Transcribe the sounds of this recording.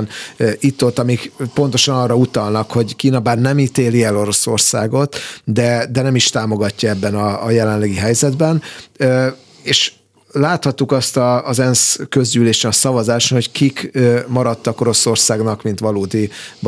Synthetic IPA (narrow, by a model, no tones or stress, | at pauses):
nit̪ːot̪ːɒmikpo̞nt̪o̞ʃɒnɒːrːɒut̪ɒlnɒkho̞ɟkiːnɒbaːrnɛmiːt̪eːliɛlo̞ɾo̞so̞̰rsaːɡo̞t̪d̪ɛd̪ɛnɛmiʃt̪aːmo̞ɡɒcːɒɛbːɛnɒːjɛlɛnlɛɡiɦɛjzɛd̪bɛn | eːʃ | laːt̪hɒt̪ːukɒst̪ɒːzɛnskø̞zɟyleːʃenɒsɒvɒzaːʃt̪ho̞ckikømɒɾɒt̪ːɒko̞ɾo̞so̞rsaːɡnɒkmint̪ʋɒloːd̪i